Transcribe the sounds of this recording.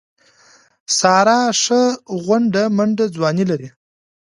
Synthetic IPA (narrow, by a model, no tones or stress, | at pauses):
sɑɾɑʂəɣwaɳɖamaɳɖad͡zwɑnilaɾi